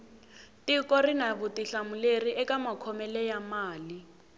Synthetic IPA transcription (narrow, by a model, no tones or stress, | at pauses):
tikɔrinaβʊtiɬamuleriʔɛkamakʰɔmɛlɛjamaːli